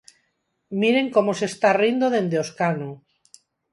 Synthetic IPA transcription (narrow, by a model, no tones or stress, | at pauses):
miɾe̞ŋkomose̞st̪arind̪oðe̞nd̪eoskano